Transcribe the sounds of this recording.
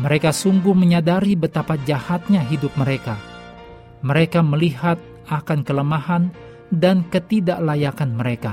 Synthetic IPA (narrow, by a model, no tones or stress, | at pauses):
məɾekasuŋɡʊhməɲadaɾibət̪apad͡ʒahat̪̚ɲaɦidʊp̚məɾeka | məɾekaməliɦat̪̚ | akankələmahan | dankət̪idaʔlajakanməɾeka